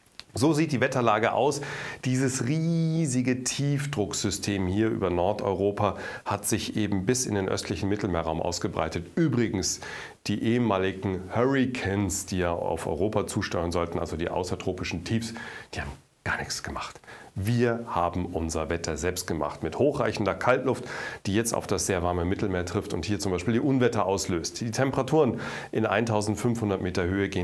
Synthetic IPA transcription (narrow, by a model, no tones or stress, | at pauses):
zoːziːt̚d̥iːvɛtʰɐlaːɡəʔa̰ʊsd̥iːzəsʁiːzɪɡətʰiːfd̥ʁʊkz̥ʏstʰeːmhiːɐʔy̰ːbɐnɔɐtɔ̰ʏʁ̞oːpahatz̥ɪçʔeːbm̩bɪsɪ̰ndeːnʔœ̰stʰlɪçn̩mɪtl̩meːɐʁaʊmʔa̰ʊsɡ̥əbʁa̰ɪtətʔyːbʁɪɡŋ̩s | d̥iːʔeːəmaːlɪɡŋ̩hœʁɪkʰɛnsd̥iːjaːʔa̰ʊfɔ̰ʏʁoːpat͡suːʃtɔʏʁənzɔltn̩ʔa̰lzodiːʔa̰ʊsɐtʁ̥oːpɪʃn̩tʰiːfsd̥i̥ːhaːbm̩ | ɡ̥aːɐnɪçt͡sɡ̥əmaχtviːɐhaːbm̩ʔʊnzɐvɛtʰɐzɛlpst̚ɡ̥əma̰χtmɪthoːxʁ̥a̰ɪçn̩dɐkʰaltlʊftd̥iːjɛt͡sta̰ʊfd̥asz̥eːɐvaɐməmɪtl̩meːɐtʁ̥ɪftʊ̰nthiːɐt͡sʊmbaɪʃpiːldiːʔʊnvɛtɐʔaʊsløːstd̥iːtʰɛmpəʁatʰuːʁən | ʔɪnʔa̰ɪntʰaʊzn̩tfʏnfhʊndɐtmeːtɐhøːəɡeː